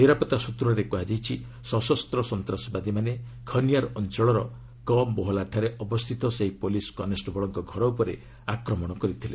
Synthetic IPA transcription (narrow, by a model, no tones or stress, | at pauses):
niɾapɔt̪asut̪ɾɔɾekɔɦad͡ʒajt͡ʃʰi | sɔsɔst̪ɾɔsɔnt̪ɾasɔbad̪imanekʰʌnijaɾɔnt͡ʃɔɭɔɾɔ | kɔmːoɦɔlaʈʰaɾeɔbɔst̪ʰit̪ɔseɦipoliskɔnesʈɔbɔɭɔŋkɔɡʱɔɾɔupɔɾe | akɾɔmɔɽ̃ɔkɔɾit̪ʰile